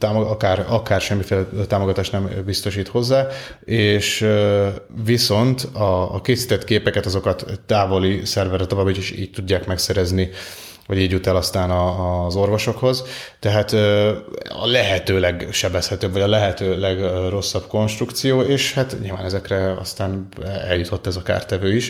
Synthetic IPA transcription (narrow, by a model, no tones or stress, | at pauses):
t̪aːmoɡɒkaːrɒkaːrʃɛmːifeːlɛt̪aːmo̞ɡɒt̪aːʃt̪nɛmbist̪o̞ʃiːt̪ho̞zːaː | eːʃøviso̞nt̪ɒːkeːsiːt̪ɛt̪keːpɛkɛt̪ɒzo̞kɒt̪ːaːvo̞lisɛrvɛrːɛt̪o̞vaːbːiiiʃḭːc̚t̪uɟːaːkmɛksɛɾɛzni | vɒɟiːɟjut̪ɛlɒst̪aːnɒːzo̞rvo̞ʃo̞kho̞zt̪ɛɦaːt̪ː | ɒ̰lɛɦɛt̪øːlɛɡʃɛbɛshɛt̪øːbvɒɟɒlɛɦɛt̪øːlɛɡro̞sːɒb̥ko̞nʃt̪rukt̪sijoːeːʃhat̪ɲḭlvaːnɛzɛkrɛɒ̰st̪aːnɛ̰ljut̪ʰo̞t̪ːɛzɒka̰ːrt̪ɛvøːiʃ